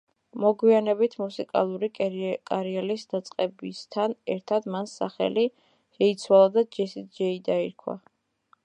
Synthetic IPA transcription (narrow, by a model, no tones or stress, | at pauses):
mɔɡwianɛbit̪ʰmusikʼa̰lˠuɾikʼkʼaɾiɛlisd̪at̪sʼqʼɛbist̪ʰanɛɾt̪ʰad̪mansa̰χɛ̰li | ʃɛit̪sʰwalˠad̪ad͡ʒɛsit̪d͡ʒɛid̪aiɾkʰwa̰